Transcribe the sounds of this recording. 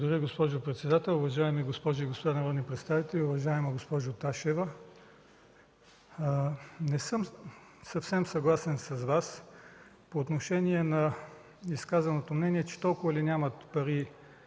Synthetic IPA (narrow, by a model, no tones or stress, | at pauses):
d̪ɐɾʲiɡospɔʒʊpɾɛt̪sɛd̪at̪ɛlˠʊvɐʒaɛmiɡospɔʒʊiɡospod̪anɐɾɔd̪nipɾɛt̪st̪avit̪ɛliʊvɐʒaɛmɐɡospɔʒot̪aʃɛvɐ | nɛsɤm | sɐfsɛmsɐɡlˠasɛnsɐzvas | poːt̪noʃɛniɛnɐ | iskazɐnot̪omnɛniɛt͡ʃɛ̥t̪ɔlˠkʊvɐlinʲamɐt̪pɐɾi